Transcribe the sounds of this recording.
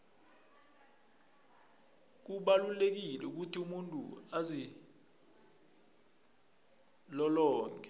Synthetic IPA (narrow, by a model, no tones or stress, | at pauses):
k̬uɓalulek̬ilɛuk̬utʰiumuntʼṵazi | lɔlɔːŋʱɛ